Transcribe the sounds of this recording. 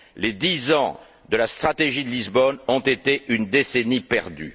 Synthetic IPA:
led̪izɑ̃ | d̪əlast̪χat̪eʒid̪əlizbɔnɔ̃t̪et̪eʔynd̪esenipɛʁd̪y̰

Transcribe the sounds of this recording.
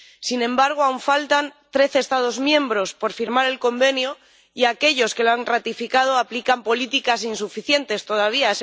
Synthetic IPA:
sinẽ̞mbaɾɣ̞oawɱfalt̪ant̪ɾe̞θest̪að̞o̞zmjẽ̞mbɾo̞spo̞ɾfiɾmaɾe̞lko̞mbe̞njo | iake̞ʎo̞ske̞loanrat̪ifikað̞oaplikampo̞lit̪ikasinsufiθje̞nt̪e̞st̪o̞ðaβ̞ia

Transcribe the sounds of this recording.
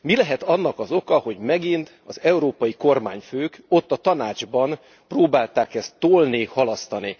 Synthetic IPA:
milɛɦɛt̪ɒnːɒkɒzo̞kɒho̞ɟmɛɡint̪ | ɒzɛuɾoːpɒjiko̞rma̰ːɲføːko̞t̪ːɒt̪ɒnaːd͡ʒbɒn | proːbaːlt̪aːkɛst̪ːoːlnihɒlɒst̪ɒni

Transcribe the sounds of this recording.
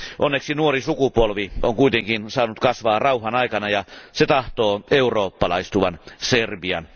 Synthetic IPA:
ʔonːeksinuorisukupolʋioŋkuit̪eŋkinsɑːnut̪kɑsʋɑːrɑuhˑɑnɑikɑnɑjɑset̪ɑht̪oːeuroːpːɑlɑist̪uʋɑnserbiɑ̰n

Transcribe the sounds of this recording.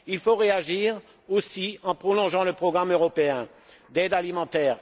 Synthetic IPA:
ilfoʁeaʒiːʁ | osiɑ̃pχɔlɔ̃ʒɑ̃ləpχɔɡʁamøʁɔpeɛ̃ | d̪ɛd̪alimɑ̃t̪ɛːʁ

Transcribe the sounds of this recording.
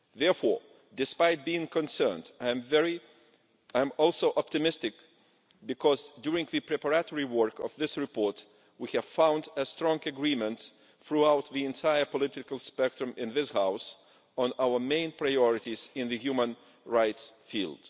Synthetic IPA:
ðɛɹfɔɹ | dɨspaɪt̚biɪ̃ŋkʰɨ̃nsɜ̃˞ndãmvɛɹi | aj̃mɔlˠsoʊʔɑp̚tɨmɪstɨk | bɨkʰɔzdjuɹɪ̃ŋðɨpʰɹɛpə˞ætɔɹiwɜ˞kɔ̰vðɪsɹɨpʰɔɹt | wihɨv̥fãʊ̃ndəstɹɔ̃ŋɡɨɡɹĩmə̃nt̪ | θɹuaʊt̪̚ðiɛ̃ntʰaɪə˞pɔlɪɾɨkəlˠspɛk̚tɹɨ̃mɪ̃nðɪshaʊs | ə̃naʊə˞mẽɪ̃npʰɹaɪɔɹɨɾizɪ̃nðɨhjumə̃n | ɹaɪtsfḭlˠd̥

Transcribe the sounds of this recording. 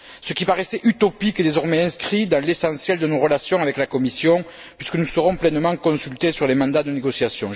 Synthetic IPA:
səkʲipaʁesɛʔyt̪ɔpiked̪ezɔʁmɛɛ̃skχid̪ɑ̃lesɑ̃sjɛld̪ənoʁəlasjɔ̃avɛklakɔmisjɔ̃ | pɥiskənusəʁɔ̃plɛnəmɑ̃kɔ̃sylt̪esyʁlemɑ̃d̪ad̪əneɡɔsjasjɔ̃

